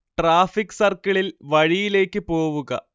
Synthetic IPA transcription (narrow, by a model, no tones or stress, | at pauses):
ʈraːfikːsɐrkɐɭilʋɐɻijile̞ːkːɨpo̞ːʋuɣɐ̰